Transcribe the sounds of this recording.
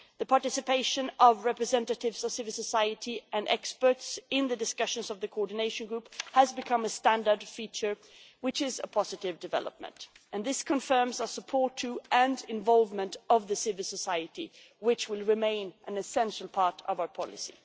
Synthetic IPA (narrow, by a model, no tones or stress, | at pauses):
ðɨpʰɑɹtɪsɨpʰeɪʃɨ̃nʌvɹɛpɹɨzɛ̃ntɨɾɪvz̥ʌv̥sɪvl̩ˠsəsaɪɨɾiʔɨ̃nɛ̰kspə˞tsɪ̃nðɨdɨskʌʃɨ̃nzʌvðɨkʰoɔɹdⁿn̩eɪʃɨ̃n̩ɡɹuphəzbɨkʰʌ̃mɨstæ̃ndə˞dfit͡ʃə˞ | wɨt͡ʃɪzə̰pʰɑzɨɾɪvdɨvɛ̰lˠə̰p̚mə̰̃nt | ɨ̃nðɪskʰɨ̃ɱfɜ̃˞mzaəsəpʰɔɹtʰɨɨ̃ndɪ̃ɱvɑlˠvmə̃ntʌvðɨsɪvɨl̩ˠsəsaɪɨɾi | wɪt͡ʃwɪlˠɹɨmẽɪ̃nʔɨ̃nɨsɛ̃nʃl̩ˠpʰɑɹɾʌvaʊə˞pʰɑ̰lˠɨ̰sḭ